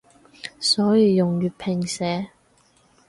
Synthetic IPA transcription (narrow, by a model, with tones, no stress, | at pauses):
sɔː˨˥jiː˨˧jʊ˨ŋjyː˨˩t̚pʰɪ˨˩ŋsɛː˨˥